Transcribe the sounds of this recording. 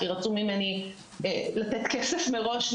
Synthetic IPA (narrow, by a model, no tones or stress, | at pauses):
iʁat͡sumimeni | elat̪et̪kesefmeʁo̞ʃ